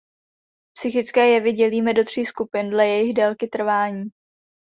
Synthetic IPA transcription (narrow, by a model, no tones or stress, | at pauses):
psɪxɪt͡skɛːjɛvɪɟɛliːmɛdo̞t̪r̝̥iːskupɪndlɛjɛjɪxdɛlkɪt̪r̩vaːɲiː